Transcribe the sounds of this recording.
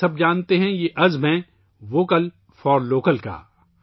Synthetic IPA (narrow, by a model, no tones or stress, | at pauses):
ɐb̚d͡ʒaːnt̪eɦɛ̃jeʔɐzmɦɛ̃ | ʋoːkəl | fɔːɾloːkəlka̰ː